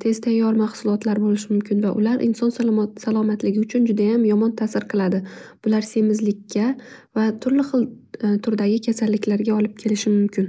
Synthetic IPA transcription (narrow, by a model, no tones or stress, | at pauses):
t̪ʰe̞z̥t̪ʰajːɒɾmaχsʊlˠɒt̪ʰlaɾbolɪʃɪmʊmkʲʰɪnvaʔʊ̰laɾʔɪ̰nsɒnssalˠɒmat̪lɪɡʲɪʊt͡ʃʰʊnd͡ʒʊd̪ajamjɒmɒnt̪ʰasɪɾqʰɨlˠad̪ɪb̥ʊlaɾse̞mɪzlɪkʲʰːavat̪ʰʊɾlɪχɨlˠt̪ʰʊɾd̪aɡʲɪkʲʰasalːɪkʲlaɾɡʲaɒlˠɪp̚kʲʰe̞lɪʃɪmʊmkʲʰɪn